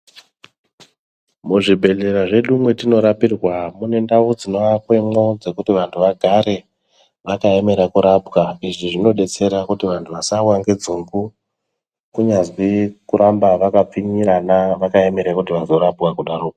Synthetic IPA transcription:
muʐibʱe̞leɾaʐe̞ɗumwe̞tino̞ɾapirwamune̞ndaʋud͡zino̞ʋakwe̞mo̞d͡ze̞kutiʋantʰuʋaɡʱaɾe̞ | ʋakae̞me̞ɾakuɾapwaiʐiʐino̞ɗe̞t͡se̞ɾakutiʋantʰuʋasawaŋɡe̞d͡zuŋɡu | kuɲazwikuɾambaʋakap͡fiɲiɾanaʋakaeme̞ɾakutiʋazo̞ɾapwakuɗaɾoːka

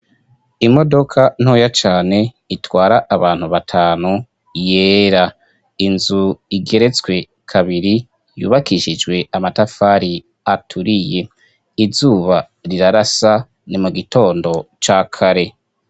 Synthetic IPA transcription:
imo̞do̞kʰan̥ho̞ːjat͡ʃaːne̞ | itwaːɾaʔːβaːn̥huβatʰaːnu | jeːɾa | inzuiɡe̞ɾe̞t͡swe̞ | kʰaβiɾi | jṵːβakiʃid͡ʒɡwe̞amatafaːɾi | atʰuɾije̞ | izuːβa | ɾiɾaɾasa | nimuɡito̞ːndo̞t͡ʃakʰaɾe̞

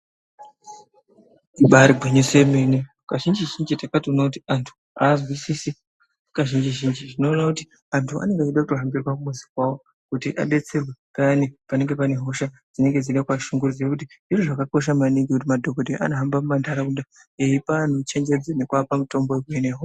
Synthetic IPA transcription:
uɓaɾiɡʱeɲisemene | kaʒind͡ʒiʒind͡ʒitakationakutiantʰu̥ | aːzwisisi | kaʒind͡ʒiʒind͡ʒiʐino̞ːnakuti̥ | antʰua̰ne̞ŋɡeat͡ʃuɗakutoɦambirwakumuzi̥kwawo | kutiʔa̰ɗe̞t͡se̞rwekanipane̞ŋɡe̞pane̞ɦo̞ʃa | d͡zine̞ŋɡe̞d͡ziɗakwaʃuŋɡurud͡zekutiʐiriʐakako̞ʃ̬amaniŋɡikut̬imadʱoɡodeʔa̰noɦambamumandʱaɾakunda | eipanot͡ʃe̞ŋd͡ʒe̞d͡zenekwapamito̞mboekeneɦo

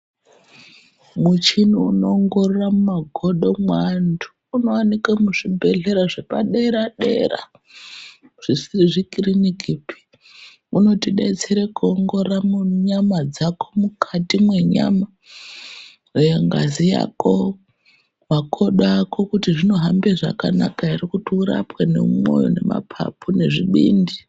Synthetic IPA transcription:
mut͡ʃiniuno̞ŋɡo̞roramumaɡʱo̞ɗo̞mwandu | uno̞wanikamuʐibʱe̞ɮe̞ɾaʐe̞pa̰ɗeɾaɗḛra̰ | ʐ̥isiriʐikirinikipi̥ | uno̞tiɗḛt͡seɾekuoŋɡo̞ramuɲamad͡zako̞mukʰatimwe̞ɲa̰ma | jeŋɡa̰zija̰ko̞ | makʰo̞ɗako̞kutiʐino̞ɦambeʐa̰kanakairikutiuɾa̰pwene̞̰umo̞̰jo̰ne̞ma̰pʰa̰pʰune̞ʐiɓiːndi

